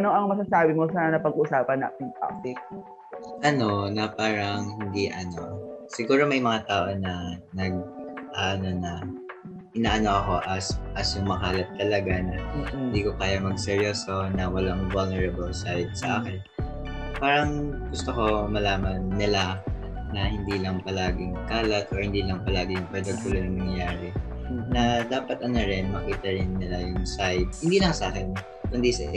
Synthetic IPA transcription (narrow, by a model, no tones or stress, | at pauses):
noʔɐŋmɐsasaːbɪmosanɐnɐpɐɡʊsaːpɐnːa̰ːt̪ɪŋpa̰t̪ɪk̚ | ʔɐno̞nɐpaːɾɐŋhɪnd̪iʔɐno̞sɪɡuːɾo̞mɐjmɐŋat̪aːʔo̞nɐnɐɡ̚ʔaʔno̞nɐ | ʔɪnaːʔɐno̞ʔɐko̞ʔɐsʔɐsjʊŋmɐɦaɐlɐp̪̚t̪ːɐlɐɡanɐhɪnd̪iːko̞kaːjɐmɐɡ̚sɛɾjoːso̞nɐwɐlaŋvɐlnɛɹɐbɐlsajd̪̚sɐʔaːkɛn | paːɾɐŋɡʊst̪oko̞mɐlaːmɐnːɪla | nɐhɪnd̪iːlɐŋpɐlaːɡɪŋkaːlɐt̪ʔohɪnd̪iːlɐŋpɐlaːɡɪjʊŋpɛd̪oɡjʊlonɐŋmɐŋjjaːɾɛ | nɐd̪aːpɐt̪̚ʔɐnoɾɪnmɐkiːt̪ɐɾɪnːɪlajʊŋsajd̪̚hɪnd̪iːlɐŋsɐʔaːkɛn | kʊnd̪isɐ